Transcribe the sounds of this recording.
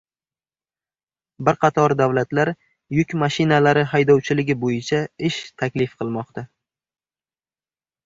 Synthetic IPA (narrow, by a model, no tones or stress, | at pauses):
bɪɾqʰɑt̪ʰɒɾd̪awlat̪laɾ | jʊkʲmaʃɪnalaɾɪɦajd̪ɒwt͡ʃʰɪlɪɡʲɪbojɪt͡ʃʰaɪʃt̪ʰakʲlɪfqʰɨlˠmɒqt̪ʰa